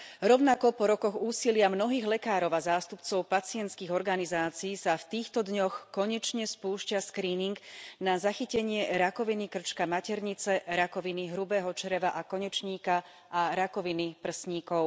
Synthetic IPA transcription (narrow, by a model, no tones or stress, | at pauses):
ɾɔʊnakɔpɔɾɔkɔɣuːsilɪamnɔɦiːɣlɛkaːɾɔʊazaːst̪upt͡sɔʊpat͡sɪɛnt̪skiːɣɔɾɡanizaːt͡siːsaft̪iːxt̪ɔd̪ɲɔxkɔɲɛt͡ʃɲɛspuːʃcaskɾiːniŋɡnazaxicɛɲɪɛɾakɔʋinikr̩t͡ʃkamacɛɾɲit͡sɛɾakɔʋiniɦɾubɛːɦɔt͡ʃɾɛʋaʔakɔɲɛt͡ʃɲiːka | ʔaɾakɔʋinipr̩sɲiːkɔʊ